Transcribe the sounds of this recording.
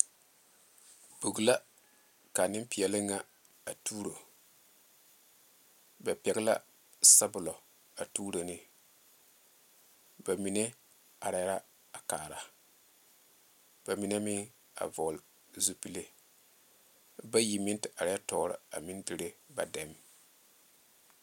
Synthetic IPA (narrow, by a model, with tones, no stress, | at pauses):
bu˨ɡla˦ | ka˨nɪ˦m˦pɪ˨ɛ˨lɪ˦ŋa˦ | a˨tuː˦ɾo˨ | ba˨pɛ˨ɡla̰˦ | sa˦bʊ˨lɔ˨ | a˨tuː˦ɾo˨nɪ˨ | ba˨mi˨ne˦ | a˨ɾa˦ɾa˦ | a˨kaː˨ɾa˨ | b̥a˨mi˨ne˦mɪ˦ | a̰˨vɔ˨l | zu˦pi˦le˦ | ba˦ji˨mɪ˦ntɪ˨a˨ɾa˦ɛ˦tɔː˨ɾɪ̰˨a̰˨mɪ˦ndɪ˨ɾe˦ba˨dɛ˨˦m